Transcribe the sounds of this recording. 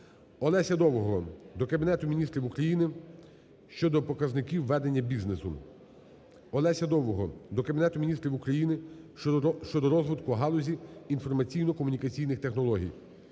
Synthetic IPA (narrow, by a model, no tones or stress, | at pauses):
ɔlˠɛsʲɐd̪ɔwɔɦɔd̪ɔkɐbʲinɛt̪ʊmʲinʲist̪ɾʲiwukɾɐjinɪ | ʃt͡ʃɔd̪ɔpɔkɐznɪkʲiwːɛd̪e̞nʲːɐbʲiznesʊ̰ | ɔlˠɛsʲɐd̪ɔwɔɦɔd̪ɔkɐbʲinɛt̪ʊmʲinʲist̪ʲɾʲiwukɾɐjinɪ | ʃt͡ʃɔd̪ɔɾɔzʋɪt̪kʊɐɦɑlˠɔzʲiinfɔrmɐt͡sʲijnɔkɔmʊnʲikɐt͡sʲijnɪxt̪exnɔlˠɔɦʲḭj